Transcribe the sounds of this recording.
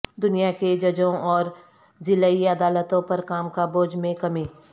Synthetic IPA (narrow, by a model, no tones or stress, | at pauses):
d̪ʊnijaked͡ʒɐd͡ʒõɔːɾ | zɪlaiɐd̪aːlət̪õpɐɾkaːmkaboːd͡ʒmẽkɐmiː